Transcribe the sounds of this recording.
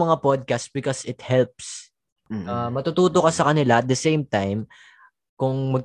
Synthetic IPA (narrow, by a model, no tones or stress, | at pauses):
mɐŋapod̪̚kast̪sbɪkosɪt̪̚hɛlp̚s | amɐt̪ut̪uːt̪okɐsɐkɐnɪlaʔɐt̪̚d̪ɐsejmt̪ajm | kʊŋmɐɡ̚